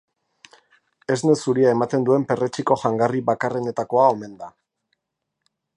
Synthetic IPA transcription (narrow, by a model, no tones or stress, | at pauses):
e̞zne̞suɾiae̞mat̪e̞nd̪ue̞mpe̞re̞t͡ʃiko̞ʝaŋɡariβakare̞ne̞t̪ako̞ao̞me̞nd̪a